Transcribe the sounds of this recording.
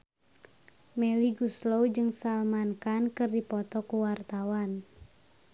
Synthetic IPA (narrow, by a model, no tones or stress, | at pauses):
mɛliɡuslowd͡ʒɨŋsalmankankɨrdipɔt̪ɔkuwart̪awan